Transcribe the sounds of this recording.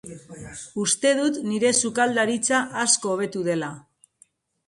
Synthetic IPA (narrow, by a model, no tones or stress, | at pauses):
ust̪e̞ðut̪niɾe̞sukald̪aɾit͡saʔːsko̞ːβ̞e̞t̪uðe̞la